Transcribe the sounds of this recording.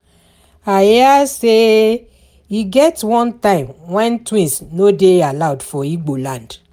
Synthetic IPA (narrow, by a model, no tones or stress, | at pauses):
ajase | iɡɛtwɔ̃ntãɪ̃mwɛ̃ntwĩnsnodealaʊdfɔiɡ͡bolãnd̥